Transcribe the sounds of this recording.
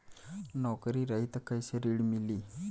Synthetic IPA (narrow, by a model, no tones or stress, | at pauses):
nɔkɾiːɾaɦit̪əkːajsəɾiɽmiliː